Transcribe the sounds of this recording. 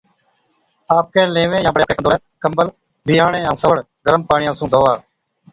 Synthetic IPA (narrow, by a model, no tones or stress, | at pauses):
aːp̚kẽːlẽːʋẽːjãːbəɽeːkeːkənd̪oː | kəmbəl | bʱijãːɳẽːãːsəʋəɽ | ɡəɾəmpaːɳɪjãːsũːd̪ʱoːʋaː